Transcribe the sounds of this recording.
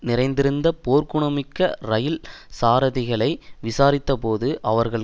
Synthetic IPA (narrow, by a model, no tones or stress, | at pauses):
nɪɾɐɪnd̪ɪɾɯnd̪ɐpoːɾkʊɳɐmɪkːɐɾɐjɪlsaːɾɐðɪɣɐɭɐɪʋɪsaːɾɪt̪ːɐpoːðɯʔɐʋɐɾɣɐɭ